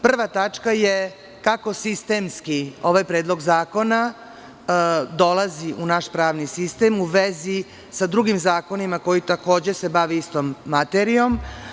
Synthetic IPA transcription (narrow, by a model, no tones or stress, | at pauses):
pr̩ʋat̪at͡ʂkaje | kako̞sist̪e̞mskio̞ʋajpɾeːd̪lˠo̞ɡzaːko̞na | d̪o̞lˠaziʔunaʃpɾaːʋnisist̪e̞ːmuʋezi | sad̪ɾuɡimzaːko̞nimako̞jit̪ako̞ːd͡ʑe̞se̞baʋeist̪o̞mːat̪eɾio̞m